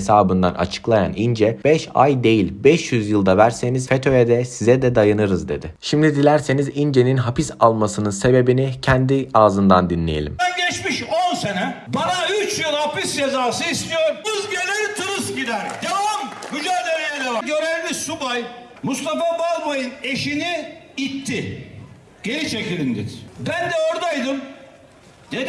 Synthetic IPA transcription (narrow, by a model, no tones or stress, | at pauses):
saːbɯnd̪a̰nʔa̰t͡ʃʰɯ̥klˠaja̰nind͡ʒɛb̥ɛʃa̰jd̪e̞jilʲbɛʃjyzjɯlˠd̪avæɾse̞nizfet̪ʰojɛd̪ɛsizɛd̪ɛd̪ajanɯɾɯzd̪e̞d̪ɪʃimd̪id̪ilʲæɾse̞nizind͡ʒe̞ninɦapisalˠmasɯnɯse̞be̞binicʰænd̪iaːzɯnd̪and̪inlʲejelʲḭmɛnɟɛʃmiʃonse̞nɛbanayt͡ʃoɾhapisd͡ʒezaːsɯist̪ʰijoɾɯzɟelʲiɾt̪ʰɯɾɯzɟid̪æɾd̪avamɡyd͡ʒælʲeɾejeɾɛvaɟøɾelmisubaj | must̪ʰafabalˠmojine̞ʃiniit̪ʰːɪ | ɟ̥e̞ɾit͡ʃʰecilʲind̪iɾbænd̪ɛoɾd̪ajd̪ɯm | d̪̥e